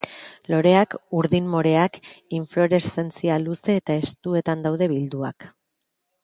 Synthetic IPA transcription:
lo̞ɾe̞akuɾðinmo̞ɾe̞akiɱflo̞ɾe̞se̞nt͡sialuse̞ːt̪aest̪ue̞t̪and̪awðe̞βild̪ua̰k

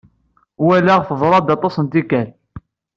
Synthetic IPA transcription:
wælæʁfəðˤɾˤɑd̪ɑt̪ˤɑsənt̪ikæl

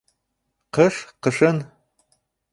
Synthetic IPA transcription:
qəʂqəʂɨn

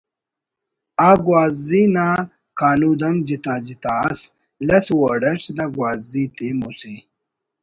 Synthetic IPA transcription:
aɡwaːzzinaː | kaːnuːd̪ɐmd͡ʑit̪ãːd͡ʑit̪aːɐs | lɐswɐɖɐʈ͡ʂd̪aɡwaːzit̪imusi

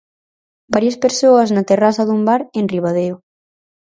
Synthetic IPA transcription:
baɾjɐspeɾsoɐznɐt̪erasɐðumbaɾenriβ̞aðeo

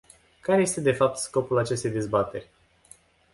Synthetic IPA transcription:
kaɾeje̞st̪e̞d̪e̞fap̚t̪sko̞pulat͡ʃe̞st̪ejd̪e̞zbat̪e̞rʲ

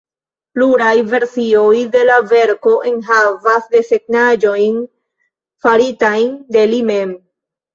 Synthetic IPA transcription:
pluɾajve̞ɾsio̞jde̞lave̞ɾko̞ʔenɦavasde̞se̞ɡ̚nad͡ʒo̞jn | faɾitajnde̞limem

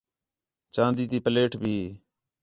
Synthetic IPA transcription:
t͡ʃãːnd̪iːt̪iːpəleːʈʰbʱiːɦː

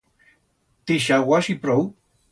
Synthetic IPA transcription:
t̪iʃawaʃipɾow

